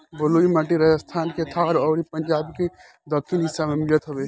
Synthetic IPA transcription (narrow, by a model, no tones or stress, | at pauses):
bəluimaʈ̬iɾəjəst̪ʰaːnket̪ʰaɾɔːɾipənd͡ʒaːbke | d̪əkʰːinɦɪsːamẽmɪlət̪ɦobe